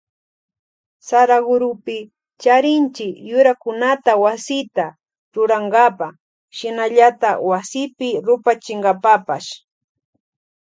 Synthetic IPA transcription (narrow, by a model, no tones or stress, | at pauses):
saɾaɡʊɾʊpɪ | t͡ʃaɾɪnt͡ʃɪkjʊɾakʊnat̪awasɪt̪a | ɾʊɾaŋɡapa | ʃɪnaʎat̪awasɪpɪɾʊpat͡ʃɪŋɡapapaʃ